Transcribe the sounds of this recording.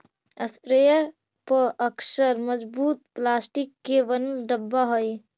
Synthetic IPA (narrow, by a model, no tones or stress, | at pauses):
əspɾejəɾ | pəʔəksəɾməd͡ʒbuːt̪̚plasʈikːeʋənɖəbːaɦoj